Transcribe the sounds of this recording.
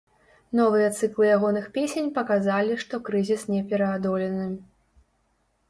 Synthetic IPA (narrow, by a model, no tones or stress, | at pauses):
nɔvɨjɐt̪sɨklˠɨjaɣɔnɨxpʲesʲenʲpɐkazalʲiʂt̪ɔkɾɨzʲisnʲɛpʲɛɾɐːd̪ɔlʲɛnɨ